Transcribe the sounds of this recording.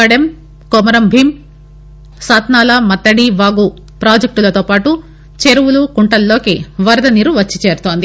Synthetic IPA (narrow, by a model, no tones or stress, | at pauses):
ɐɽem | kɔmɐɾɐmbʱim | saːt̪naːlɐmɐt̪ːɐɽiʋaːɡu | pɾaːd͡ʒɐk̚ʈulɐt̪oːpaːʈu | t͡ʃeɾuwulukuɳʈɐlːo̞ːkiʋɐɾɐd̪ɐniɾuʋɐt͡ʃːit͡ʃeːɾut̪oːnd̪i